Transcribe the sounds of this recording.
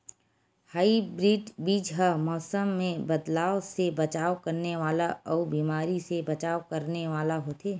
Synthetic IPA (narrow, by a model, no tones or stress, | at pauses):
haːibɾiːɖbiːd͡ʒɦəmɔːsəmːẽbɐd̪laːʋsebɐt͡ʃaːʋkɐɾneʋaːlaɔːbiːmaːɾisebɐt͡ʃaːʋkɐɾneʋaːlaɦoːt̪ʰeː